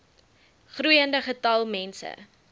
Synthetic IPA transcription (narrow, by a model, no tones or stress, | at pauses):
χrujəndəχətɐlˠmɛnsə̰